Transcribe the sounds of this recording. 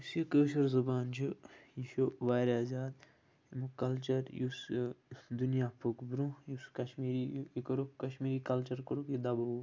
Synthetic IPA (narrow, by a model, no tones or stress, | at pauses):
jusjikəːʃɐɾzɐbaːnd͡ʒʰujiʃoʋaːɾaːzaːd̪ | imukɐlt͡ʃɐɾjus | d̪unjaːpʰukbɾũjuskɐʃmiːɾikɐɾukɐʃmiːɾiːkɐlt͡ʃɐɾkɐɾukid̪ɐbɐu